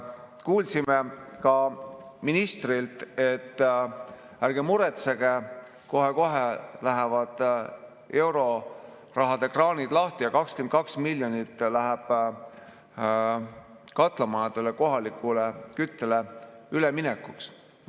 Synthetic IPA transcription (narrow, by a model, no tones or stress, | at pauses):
kuːlsimekɑminist̪rilt̪ˑe̞t̪ː | æɾɡ̥emuɾet̪seɡ̥e | ko̞ɦeko̞ɦelæɦevɑd̪̥ | e̞wɾo̞ | rɑɦɑd̪̥e̞krɑːnid̪̥lɑht̪ijɑkɑkskend̪̚kɑksmilʲjo̞nit̪ːlæɦæb̥ | kɑt̪ˑlɑmɑɑt̪eleko̞ɦɑlikːˑulekyt̪ːeleyleminekːˑuks